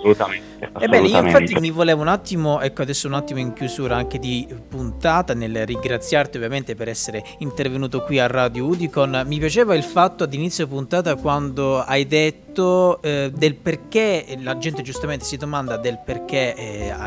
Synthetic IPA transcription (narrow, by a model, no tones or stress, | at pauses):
solut̪ae | t̪ebːɛːneioinfat̪ːimivolɛːvounat̪ːimoɛkːoad̪ɛsːounat̪ːimoiŋk̟juzuːɾaaŋk̟ed̪ipunt̪aːt̪anelrːiŋɡɾat̪sːjart̪iovːjament̪epeɾɛsːeɾe | int̪ervenuːt̪okwiarːad̪joud̪ikonmipjat͡ʃeːvailfat̪ːoad̪init̪sjopunt̪aːt̪akwand̪oajd̪et̪ːod̪elperkelad͡ʒɛnt̪ed͡ʒust̪ament̪e̥sid̪omand̪ad̪elperk̟ea̰